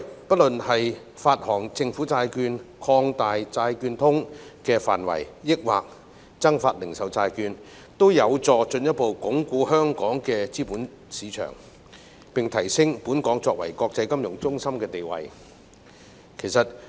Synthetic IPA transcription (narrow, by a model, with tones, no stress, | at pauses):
pɐ˥t̚lɵ˨nhɐ˨j | faː˧t̚hɔː˨˩ŋt͡sɪ˧ŋfuː˨˥t͡saː˧jkyː˧nkʰɔː˧ŋt̪aː˨jt͡saː˧jkyː˧nt̪ʰʊ˥ŋkɛː˧fa̰ː˨˩nwɐ̰˨˩jjɪ˥k̚wa̰ː˨k̚ | t͡sɐ˥ŋfaː˧t̚lɪ˨˩ŋsɐ˨wt͡saː˧jkyː˧n | t̪o˥wjɐ˨˧wt͡sɔː˧t͡ʃɵ˧njɐ˥t̚po˨˧wkʊ˨˥ŋkuː˧hœː˥ŋkɔː˨˥ŋkɛː˧t͡siː˥puː˨˥n | siː˨˧t͡ʃʰœ̰ː˨˩ŋ | pɪ˨ŋt̪ʰɐ˨˩jsɪ˥ŋpuː˨˥nkɔː˨˥ŋt͡sɔː˧k̚wɐ̰˨˩jkɔː˧k̚t͡sɐ˧˥jkɐ˥mjʊ˨˩ŋt͡sʊ˥ŋsɐ˥mkɛː˧t̪e˨jwɐ̰˨j | kʰe˨˩jsɐ˨t̚